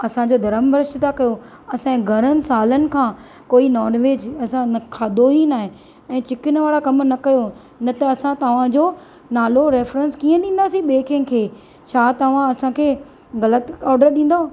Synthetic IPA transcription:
ɐsãd͡ʑoːd̪ʱɐɾəmbɾɪʃɪt̪akɐjo | ɐsãĩɡʱɐɾənɪ̆saːlənɪ̆kʰãː | koːinɔːnʋeːd͡ʑɐsãnɐkʰaːd̪oɦinaːɦe | ɛ̃ːt͡ɕɪkɪnəʋaːɽakɐmnɐkɐjo | nɐt̪ɐːsãt̪ɐʋ̤ãd͡ʑoː | naːloɾeːfɾə̃nskiːə̃ɗĩːn̆d̪aːsĩɓeːkʰen̆kʰeː | t͡ɕʰaːt̪ɐʋ̤ãɐsãkʰeː | ɣɐlət̪ɔːɾɖəɾɗĩːn̆d̪o

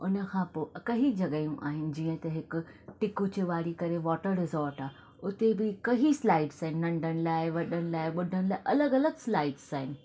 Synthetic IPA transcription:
ʊnə̆kʰãpoːkɐɦid͡ʑʱɐɠəjũʔa̰ːɦɪnɪ̆d͡ʑiːə̃t̪ɐɦɪkʊ̆ʈɪkut͡ɕeʋaːɽikɐɾeʋɔːʈəɾɾɪzɔːɾʈaː | ʊt̪ebɪkɐɦislaːɪɖsaːɦɪnɪ̆nɐ̃ɳɖʱənɪlaːɪʋɐɗəñɪlaːɪɓʊɖʱəñɪlaːɪɪʔɐləɡɐləɡslaːɪɖzaːɦɪnɪ̆

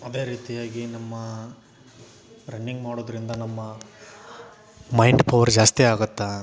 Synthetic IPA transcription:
ɐd̪e̞ːɾiːt̪ijaːɡinɐmːɐ | ɾɐnːiŋɡmaːɽoːd̪ɐɾind̪ɐnɐmːɐ | mɐjɳɖpɐʋɐɾd͡ʒaːst̪iaːɡɐt̪ːɐ

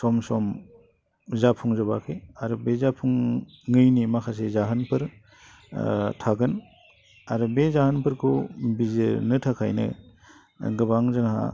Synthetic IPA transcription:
sɔmsɔm | zapʰuŋzɯbakʰeaɾubezapʰuŋː | ɯjnimakʰas̬ezaɦɯnpʰɯɾ | tʰaɡɯn | aɾubezahɯnpʰɯɾkʰubizɯnɯtʰakʰa̰jnɯ̰ | ɡɯbaŋzɯŋha̰

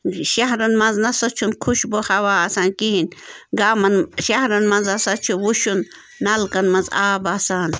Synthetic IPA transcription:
ʃɐɦɾɐnmɐnznɐsɐt͡ʃʰunkʰuʃbohawaːsaːnkiinɡaːmɐnʃɐɦɾɐnmɐnzɐsɐt͡ʃʰuwuʃunː | ɐlkɐnmɐnzaːbasaːn

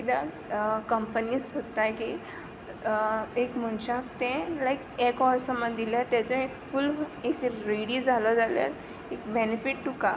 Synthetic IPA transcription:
id̪a | kəmpənisɦot̪aki | ekməɳɕak̚t̪ɛ̃lajkekɔʋɾsəmːənd̪iljat̪jat͡sãekfulekɾiɽid͡zʱalɔd͡zalja̰ɾ | ek̚benefiʈʈuka

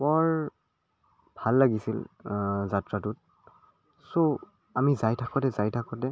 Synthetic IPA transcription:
bɔɹ | b̥ʱalːaɡisilzatɹatʊt̚ | so | amizajtʰakɔtɛzajtʰakɔtɛ

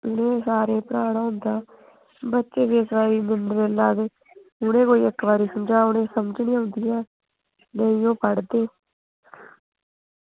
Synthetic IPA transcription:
ʊnẽːsaːɾẽːpəɾaːɽaːʊ̃nd̪aː | bətːʃeːʋeːsʋaːɾiːmɪnɾeːlaːdeː | ʊnẽːkoːiːəkʋaːɾiːsʊnd͡ʒaːʊnẽːsəmd͡ʒnĩːaʊ̃nd̪ijãː | nəĩjõːpəɽd̪eː

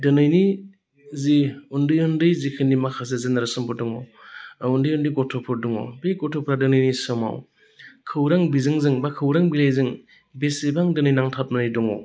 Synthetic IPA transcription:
dɯnɯjni | ziundɯjɔndɯjzikʰɯnːimakʰas̬ezenaɾɯsɯmbɯdɔŋɔ̰wundɯjɔndɯijɡɔtʰɔpʰɔɾdɔŋɔ̰beɡɔtʰɔpʰɾadɯnɯjnisɯma̰w | kʰɯwɾaŋbizɯŋzɯŋbakʰɯwɾaŋbilajzɯŋ | besebaŋdɯnɯjnaŋtʰat̚manajdɔŋɔ̰

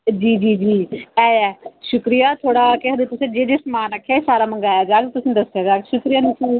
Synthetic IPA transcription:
d͡ʒiːd͡ʒiːd͡ʒiːɛːɛːʃʊkɾijaːt̪ʰoːɽaːkɪɦəd̪et̪ʊsẽːd͡ʒeːd͡ʒ̪esmaːnəkʰːeːsaːɾaːməŋɡaːjaːd͡ʒaːɡt̪ʊsĩːd̪əsɪjaːd͡ʒaːɡʃʊkɾijaːnsuː

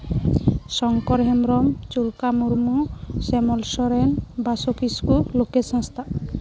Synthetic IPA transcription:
sɔŋkɔɾɦemɾɔmt͡ʃuɾkamuɾmusemɔlsɔɾenbasokiskulokesɔ̃st̪ʰa

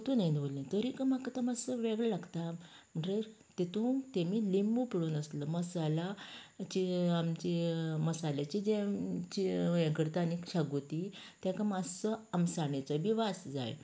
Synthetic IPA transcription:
t̪unajnʋolĩnt̪əɾikəmakət̪əmasəʋeɡɭəlaɡt̪am̤əɳʈɾeɾ | t̪it̪ut̪emiːlimbupiɽuːnəsləməsalat͡ɕiamt͡ɕiməsalat͡ɕid͡zet͡ɕiẽkəɾt̪anikɕaɡut̪i | t̪jakamasəamsaɳet͡səʋiʋasd͡za̰j

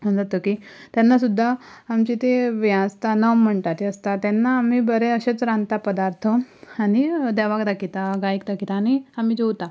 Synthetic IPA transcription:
əd͡zat̪okit̪janːasud̪ʱːaː | mt͡ɕit̪eʋjãst̪anəm̤ːəɳʈat̪iəst̪at̪ɛnːaːm̤iːbəɾeəɕet͡sɾãnt̪apəd̪aɾt̪ʰəanid̪ɛʋakd̪akʰit̪aɡaik̚d̪akʰit̪aːñiam̤iːd͡ʑowt̪a

